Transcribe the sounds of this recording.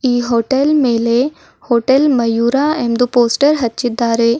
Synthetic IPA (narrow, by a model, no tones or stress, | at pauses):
iːɦoːʈelmeːle | hoːʈelmɐjuːɾaeːnd̪upoːsʈəɾɦɐtːt͡ʃid̪ːaːɾe